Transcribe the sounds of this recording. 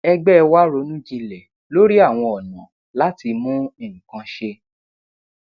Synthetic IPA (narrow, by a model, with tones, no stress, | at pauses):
ɛ˧ɡ͡bɛ˦˧wa˦ɾo˨˦nũ˦d͡ʒi˧lɛ˨ | lo˦ɾi˦a˦˨w̃ɔ̃˧ɔ˨nã̰˨ | la˦ti˧mũ˦e˦˨ŋ̩̃˨kã˧ʃe˧